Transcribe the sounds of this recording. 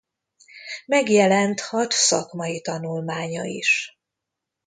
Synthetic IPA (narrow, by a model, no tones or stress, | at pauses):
mɛɡjɛlɛnt̪hɒt̪sɒkmɒjit̪ɒnulmaːɲɒ̰ḭʃ